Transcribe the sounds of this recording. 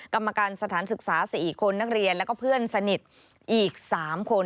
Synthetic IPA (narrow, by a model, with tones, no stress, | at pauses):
ka˧mːa˧kaː˧nsa˧t̪ʰaː˩˦nsɯ˨˩k̚saː˩˦siː˨˩kʰo˧nːa˦˥k̚ɾi˧ənlɛ˦˥kɔː˥˩pʰɯ˥˩ənsa˧ni˨˩t̪̚ | ʔiː˨˩k̚saː˩˦mkʰo˧n